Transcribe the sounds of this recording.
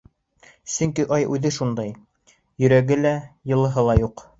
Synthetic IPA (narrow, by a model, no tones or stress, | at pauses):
sɵŋkiʔɑjʔʉðɘʃund̪ɑj | jɵ̆ɾæɡɘlæjɤ̆lˠɤ̆ɦɤlˠɑjuq